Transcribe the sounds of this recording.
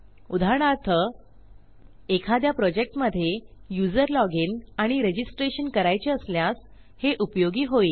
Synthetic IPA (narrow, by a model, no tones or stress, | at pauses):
ud̪ʱaɾɽ̃aɾt̪ʰə | ekʰad̪japɾɔd͡ʑek̚ʈməd̪ʱːjejud͡zəɾlɔɡinaɽ̃iɾed͡ʑisʈɾeɕənkəɾajt͡ɕeəsljas | heʔupjoɡiːɦoiː